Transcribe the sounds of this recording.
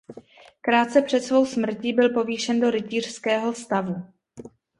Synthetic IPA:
kɾaːt̪̚t͡sɛpr̝̥ɛt̪svo̞wsmr̩cibɪlpo̞viːʃɛndo̞ɾɪciːr̝̥skɛːɦo̞st̪avu

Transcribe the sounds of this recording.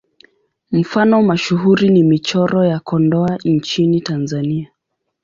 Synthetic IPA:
m̩fanɔmaʃuɦuɾinimit͡ʃɔɾɔjakɔndɔant͡ʃinitanzania

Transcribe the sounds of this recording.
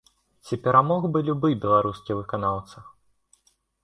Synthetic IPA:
t͡sʲipʲɛɾamɔɣbɨlʲubɨbʲɛlˠaɾuskʲivɨkanawt̪sɐ

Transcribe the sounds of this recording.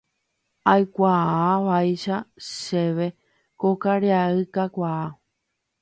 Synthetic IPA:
ajkʷaaʋajʃaʃe̞ʋe̞ | kokaɾeaɨkakʷaː

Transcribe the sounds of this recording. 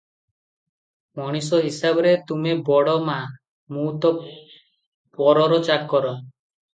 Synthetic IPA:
mɔɽ̃is̬ɔɦisabɔɾet̪umebɔɽɔma | mut̪ɔ | pɔɾɔɾɔt͡ʃakːɔɾɔ

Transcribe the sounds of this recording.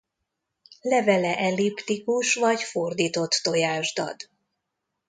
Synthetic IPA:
lɛvɛlɛʔɛlipt̪ikuʃʋɒɟfo̞rd̪iːt̪o̞t̪ːo̞jaːʒd̪ɒ̰d̪̥

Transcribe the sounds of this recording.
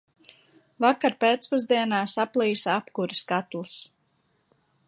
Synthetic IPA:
vakaɾpeːt̪spuzd̪iɛnaːsaplˠiːsapkuɾiskat̪lˠis

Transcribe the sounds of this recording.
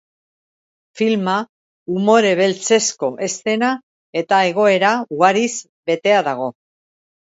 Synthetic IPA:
filma | umo̞ɾe̞β̞e̞lt͡se̞sko̞ʔe̞st̪e̞na | e̞t̪ae̞ɣ̞o̞e̞ɾauɣaɾiz | be̞t̪e̞aðaɣ̞o̞

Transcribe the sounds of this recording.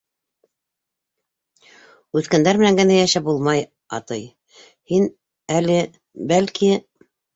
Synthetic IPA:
ʉθkænd̪æɾmɘ̆næŋɡɘ̆næjæʃæbulˠmɑj | ɑ̰t̪ɤj | hin | ælɘ | bælki

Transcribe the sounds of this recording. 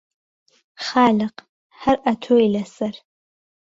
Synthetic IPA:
χalʲaq | ħarʔatʰojlasar

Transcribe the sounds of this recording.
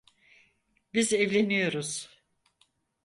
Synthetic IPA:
bizɛvlʲenijo̞ɾuz̥

